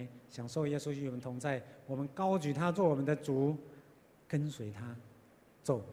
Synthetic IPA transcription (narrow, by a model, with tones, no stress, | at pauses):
ɪɕjɑ˨˩ŋʂo˥˧ʊjɛ˥su˦y˧˥˩wɔ˨˩mə˦nt̪ʰʊ˧˥ŋt͡sa˥˩ɪwɔ˨mə˦nkɑ˥ʊt͡ɕy˨˩t̪ʰa˥t͡swɔ˥˩wɔ˨˩mə˦nd̪ə˨t͡su˨˩˦ | kə˦˥nswe˧˥ɪt̪ʰa˦ | t͡so˥˩ʊ